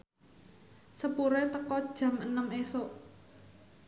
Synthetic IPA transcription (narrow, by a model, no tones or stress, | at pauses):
səpuɾet̪əkɔd̥ʒ̥a̤mənəmeso